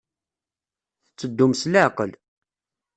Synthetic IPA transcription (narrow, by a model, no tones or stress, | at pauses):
θət͡sːəd̪ːumsləʕqəl